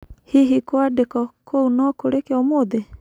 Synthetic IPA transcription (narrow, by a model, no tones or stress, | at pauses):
hiɦikwadekɔkʰounɔkoɾekeɔmod̪e